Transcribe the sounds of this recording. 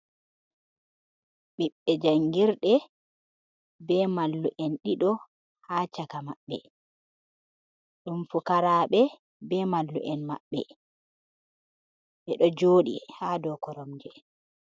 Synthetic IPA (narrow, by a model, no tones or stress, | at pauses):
ɓiɓːɛd͡ʒaŋɡiɾɗɛ | bɛmalːuʔɛnɗiɗɔ | haːt͡ʃakama̰ɓːɛ̰ | ɗumfukaɾaːɓɛ | bɛmalːṵʔɛnma̰ɓːɛ̰ | ɓɛɗɔd͡ʒoːɗḭhaːdɔkɔɾɔmd͡ʒɛ